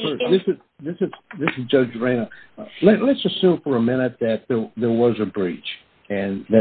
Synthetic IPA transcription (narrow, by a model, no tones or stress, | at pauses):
fɜ˞sðɪsɨz | ðɪsɨz̥ðɪsɨzd͡ʒʌd͡ʒɹẽɪ̃nəʌlɨlɨtsɨssʉ̃ɱfə˞əmɪ̃ñɨt̪̚ðɨt̪̚ðə˞ðə˞wʌzɨbɹit͡ʃ | ɨ̃nðɨ